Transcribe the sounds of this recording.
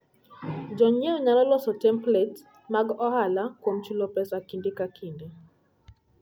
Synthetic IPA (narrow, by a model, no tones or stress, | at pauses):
d͡ʒɔɲɛɔɲalɔlɔsɔtɛmplɛt | maɡɔhalakwom̩t͡ʃulɔpɛsakindikakindi